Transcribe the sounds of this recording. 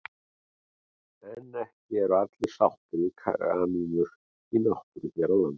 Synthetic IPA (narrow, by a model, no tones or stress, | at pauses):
ɛnɛhcɪɛɾʏat̪lɪsawht̪ʏɾikʰa̰ɾa̰niːnʏɾ̥ | inahpʏɾɪçɛɾawlant̪